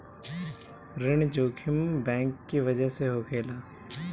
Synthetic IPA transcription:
ɾɪɳ̃d͡ʒoːkʰɪmbɛ̃ːŋkːiʋəd͡ʒəɦseɦoːkʰeːlaː

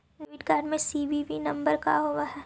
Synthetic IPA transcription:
ɾɪʋɪʈkaːɾɖmẽsiːbibʱinɐ̃mbəɾka̰ɦoːʋaɦɛ

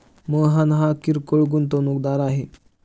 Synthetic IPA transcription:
məɦanɦakiɾkoɭɡunt̪̬onukd̪aɾaɦe

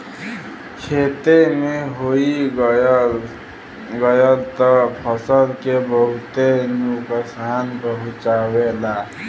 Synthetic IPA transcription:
t͡ʃʰet̪emeɦoi | ɡəjəlt̪əpʰəsəlkebəɦut̪enukəsanpəɦut͡ʃawela

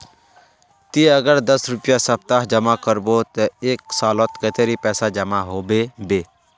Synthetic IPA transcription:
t̪iəɡəɾd̪əsɾʊpjasəbt̪aɦd͡ʒəmakəɾbot̪əeːksaːlot̪ket̪ʰeɾiːpɛːsad͡ʒəmaɦoːbeːbeː

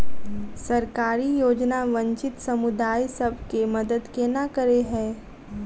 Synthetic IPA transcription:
sɐɾkaːɾijoːd͡ʒnaʋɐ̃ɲt͡ʃɪt̪sɐmʊd̪aːjsɐbʱkemɐd̪əd̪kenakəɾeɦɛ̃ː

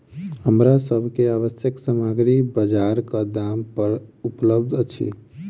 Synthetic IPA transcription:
ɦəmɾasəbʱkeaβəsjəksəməɡɾibəd͡ʒaɾkəd̪ampəɾupləbd̪ʱt͡ʃʰḭ

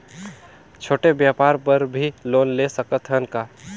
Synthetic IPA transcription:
t͡ʃʰoːʈebjaːpaːɾpəɾbʱiloːnlesəkət̪ʰɦənkaː

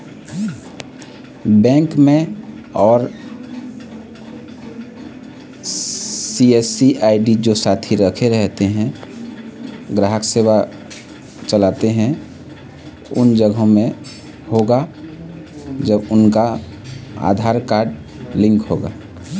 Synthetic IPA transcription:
bɛ̃ːŋkmẽɔːɾ | siesiʔaɪɖid͡ʒosat̪ʰiɾəkʰeɾəɦt̪eɦɛ̃ | ɡɾaɦəksewa | t͡ʃəlat̪eɦɛ̃ | ʊ̰nd͡ʒəɡõmẽ | hoɡa | d͡ʒəbʊnka | a̰d̪ʱaɾkaːɾɖ | lɪ̃ŋkɦoɡa̰

